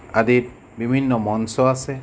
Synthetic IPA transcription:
adit̪̚ | bibʱinːɔmɔnsɔasɛ

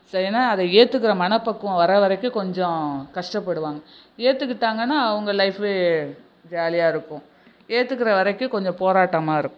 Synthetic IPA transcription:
sɐɾinaːɐðɐeːt̪ːɯkːɪɾɐmɐnɐpːɐkːʊ̃ʋɐɾɐʋɐɾɐkːɯ̃kɔɲd͡ʒɔ̃kɐʂʈɐpːɐɽɯʋaːŋɡɐ | eːt̪ːɯkːɪʈːaːŋɡɐnːaːɐʋɐŋɡɐlɐɪfeː | ʋaːlɪjaːɪɾɯkːʊ̃ | eːt̪ːɯkːɪɾɐʋɐɾɐkːɯ̃kɔɲd͡ʒɔ̃poːɾaːʈːɐmaːɪɾɯkːʊ̃

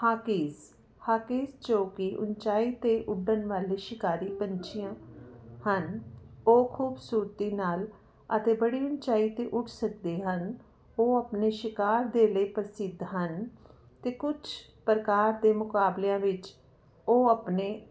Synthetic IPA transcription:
haːkɪːz | haːkiːzt͡ʃoːkiʔʊ̰nt͡ʃaːiːt̪eːʔʊɖənʋaːleːʃɪkaːɾiːpənt͡ʃʰɪjãːhənoːkʰuːbsuːɾt̪iːnaːl | ət̪eːbəɽiːʊnt͡ʃaːiːt̪eːʔʊʈʰsək̚d̪eːɦən | oːəpneːʃɪkaːɾd̪eːləiːpəɾsɪd̪ʱɦən | t̪eːkʊt͡ʃʰ | pɾəkaːɾd̪eːmʊkaːbleãːʋɪt͡ʃ | oːəpneː

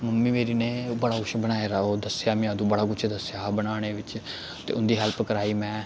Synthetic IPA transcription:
məmːiːmeːɾiːneːbəɽaːkʊt͡ʃʰbəñaːeːɾaoːd̪əsjaːmɪ̃aːd̪ũːbəɽaːkʊt͡ʃʰd̪əsjaːbənaːɽ̃eːʋɪt͡ʃ | t̪ḛːʊnd̪iːɦəlpkəɾaːiːmɛ̃ː

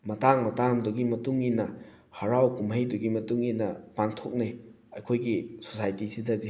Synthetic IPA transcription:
mɐtaŋmɐtaŋduɡimɐtuŋinɐ | hɐɾawkumhɐjduɡimɐtuŋinɐpaŋtʰok̚ne | ɐjkʰojɡiso̥sajtisidɐdi

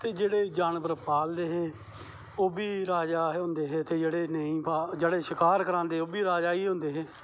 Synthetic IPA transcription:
t̪eːd͡ʒeːɽeːd͡ʒaːnbəɾpaːld̪eːɦeː | oːbiːɾaːd͡ʒaːɦɦõːnd̪eːɦeːt̪eːd͡ʒeːɽeːnəĩːpaːd͡ʒeːɽeːʃɪkaːɾkəɾãːnd̪eːɦoːbiːɾaːd͡ʒaːiːɦõːnd̪eːɦeː

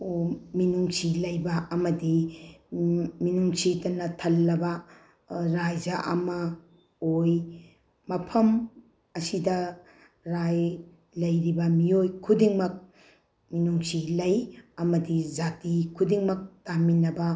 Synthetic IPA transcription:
minuŋsilɐjbɐɐmɐdi | minuŋsitɐnɐtʰɐlːɐbɐ | ɾajd͡ʒɐʔɐ̰mɐ | oj | mɐpʰɐm | ɐsidɐ | ɾaj | lɐjɾibɐmiojkʰudiŋmɐk̚ | minuŋsilɐjɐmɐdid͡ʒatikʰudiŋmɐk̚taminːɐbɐ

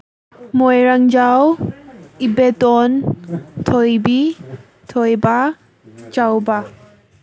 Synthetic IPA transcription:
mojɾaŋd͡ʒaw | ibetɔntʰɔjbi | tʰɔjba | t͡ʃawba

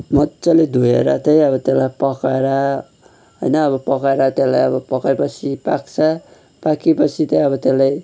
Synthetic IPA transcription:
mʌtːsʌled̪ʱujḛɾa̰t̪ʌjʌβʌt̪elajpʌkaeɾa | ɦojnʌːbʌpʌkaeɾat̪elajʌbʌpʌkajpʌt͡sʰipakt͡sʰʌ | pakipʌt͡sʰit̪ʌjʌbʌt̪elaj

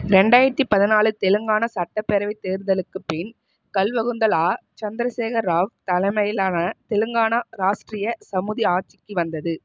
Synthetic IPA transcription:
ɾɛɳɖaːjɪɾɐt̪ːipɐðɪnaːlɯt̪ɛlɯŋɡaːnɐsɐʈːɐpːɛɾɐʋɪt̪eːɾnd̪ɐlɯkːɯpːɪn | kɐlʋɐɣɯnd̪ɐlaːt͡ʃɐnd̪ɾɐseːɣɐɾaːʋt̪ɐlɐmɐjɪlaːnɐt̪ɛlɯŋɡaːnɐɾaːʂʈrɪjɐsɐmɯðiaːʈ̚t͡ʃɪkːɯʋɐnd̪ɐðɯ

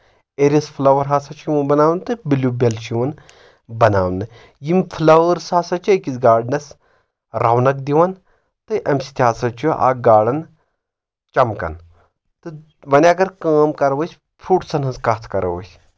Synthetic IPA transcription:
eɾʲispʰlɐʋɐɾɦaːsɐt͡ʃʰjiʋɐnbɐnaːʋnt̪ɨbilʲubʲelt͡ʃʰiʋɐn | bɐnaːwnɨ | jimfʰlɐʋəɾsaːsɐt͡ʃʰiɐkizɡaːɖnɐs | ɾawnɐk̚d̪iʋɐn | t̪ɨʔɐmsi̥t̪ʲɦaːsɐt͡ʃʰuʔa̰ːɡaːɽɐn | t͡ʃɐmkɐ̰n | t̪ɨ | ʋɐnʲɐɡɐɾkaːmkɐɾʋɐsʲ | pʰuʈsɐnɦɐskɐt̪ʰkɐɾɐ̰ʋə̰sʲ

